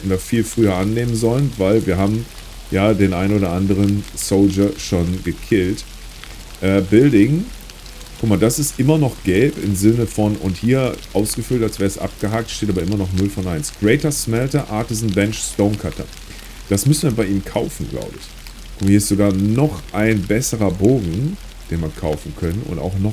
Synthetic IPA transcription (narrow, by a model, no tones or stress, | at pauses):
ndafiːlfʁ̥yːɐʔanːeːmənzɔlənvaɪlviːɐɦaːbm̩ | jaːdeːnʔaɪnoːɾɐʔandəʁ̞ənsoʊld͡ʒɐʃoːnɡəkʰɪlt | ʔɛːbɪldɪŋ | kʰʊkmaɐdasɪstʔɪmɐnɔχɡ̥ɛlpɪ̰mzɪnəfɔnʔʊ̰nthiːɐʔaʊsɡ̥əfʏltalsv̥ɛːɐəsʔa̰p̚ɡ̥əɦaːk̚tʃteːtaːbɐʔɪmɐnɔχnʊlfɔnʔaɪnsɡ̥ʁɛɪtɐsmɛltɐʔaɐtɪzn̩bɛnʃstoʊnkʰatʰɐ̰ | d̥asmʏsn̩viɐbaɪʔiːmkʰaʊfn̩ɡla̰ʊbəɪ̰ç | kʰʊmahiɐɪstz̥oɡaːɐnɔχʔaɪnbɛsəʁɐboːɡŋ̩ | d̥eːnviːɐkʰaʊfn̩kʰœnənʊ̰nta̰ʊxnɔ